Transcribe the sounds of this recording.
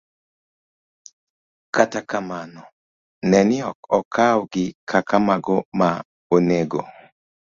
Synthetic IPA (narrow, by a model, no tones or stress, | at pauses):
katakamanɔ | nɛnɪɔkɔkʰawɡɪkʰakamaɡɔma | oneɡo